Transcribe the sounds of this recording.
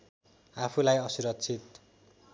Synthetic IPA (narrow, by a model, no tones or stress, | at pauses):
apʰulajʌsuɾʌt̪ːt͡sʰit̪